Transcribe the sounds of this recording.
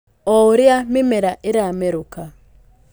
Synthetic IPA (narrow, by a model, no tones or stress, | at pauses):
ɔuɾjamɪmɛɾaʔɪɾamɛɾuka